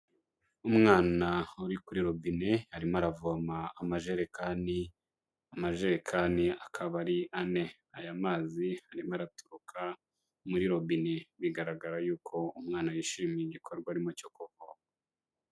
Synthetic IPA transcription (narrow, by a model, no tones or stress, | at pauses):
umŋaːnauɾikuɾiɾo̞binehaɾimaɾavuamaːmaʒeɾekani | amaʒe̞ɾekʰaniakʰaβaɾiʔane̞ | ajamaːzihaɾimaɾatuɾukʰa | muɾiɾo̞bineβiɡaɾaɡaɾajuːkʰo̞umŋaːnajiʃiːmiiɟikʰo̞ɾɡwaɾimocokoko